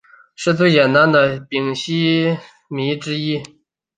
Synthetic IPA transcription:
ʂɻ̩˥t̪ʰu˥˩jɛ˨˩nna˧˥nd̪ə˨pi˨˩ŋɕi˥ | mi˧˥ʈ͡ʂɻ̩˥i˥

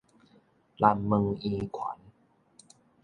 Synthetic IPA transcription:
la˧˩mmɯ˧ŋʔiː˧kʰwa̰˨˦n

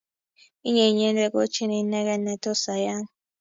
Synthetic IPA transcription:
i˦ɲɛ˨ɲɛ˦nlɛ˦k̬ʼo˦t͡ʃʰi˦nɛ˨i˦nɛ˦k̬ɛ˦nɛ˨tʰɔ˦sa˨ja˦ŋ

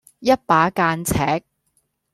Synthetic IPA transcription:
jɐ˥t̚paː˨˥kaː˧nt͡sʰɛː˨˥k̚

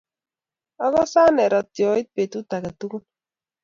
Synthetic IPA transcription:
ɔ˦kɔ˦sa˦nɛ˨ɾɔ˨tjɔ˨ɪ˦t̚pe˨tu˦ta˨ka˨tu˦ku˦n

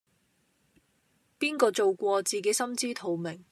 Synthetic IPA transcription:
piː˥nkɔː˧t͡so˨wkʷɔː˧t͡siː˨ke˨˥jsɐ˥mt͡siː˥t̪ʰo˨˧wmɪ˨˩ŋ

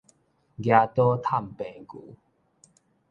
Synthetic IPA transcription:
ɡja˧t̪ɔ˦t̪ʰa˥˧˨mpɛ̃˨˩˨nku˨˦

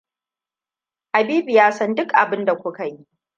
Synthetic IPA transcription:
ʔa˨biː˦bi˨jaː˦sɐ˦ndʊ˦kʔa˨bɪ˦nda˨kʷʊ˦ka˨ji˦ʔ

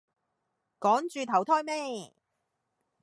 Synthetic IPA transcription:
kɔː˨˥ŋt͡ʃyː˧t̪ʰɐ˨˩wt̪ʰɔː˥jmɛː˥˩

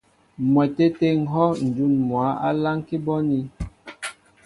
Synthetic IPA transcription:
mwɛ˨te˦te˦ŋ̩˨˦ɦɔ˦n̩˨d͡ʒu˦˨nmwa˨˦a̰˦la˦ŋki˦bɔ˦ni˦

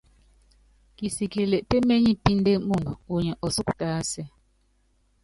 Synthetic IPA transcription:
ki˨si˨ki˨le˨ʔpe˦me˦ɲi˦pi˦n˦de˦mu˨ndu˨u˨ɲɛ˨ʔɔ˨su˦ktaː˦sɛ˦˨

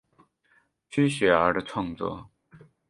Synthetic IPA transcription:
t͡ɕʰy˥ɕɥɛ˨˧˥ə˞˧˥də˧ʈ͡ʂʰwɑ˥˧ŋt͡swɔ̰˥˩

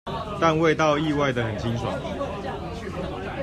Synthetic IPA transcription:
t̪a˥˧nwe˥˧ɪt̪ɑ˥˧ʊi˥˧wa˥˩ɪd̪ə˩xə˨˩nt͡ɕʰi˥nsʰwa̰˨˦n

